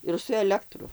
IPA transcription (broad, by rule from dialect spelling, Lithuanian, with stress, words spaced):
ɪr sʊ ɛˈlʲæːktrʊ